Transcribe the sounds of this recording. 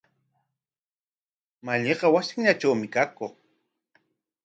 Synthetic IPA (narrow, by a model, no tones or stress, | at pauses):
maʎeqɑwasɪŋʎaʈ͡ʂawmɪkakoχ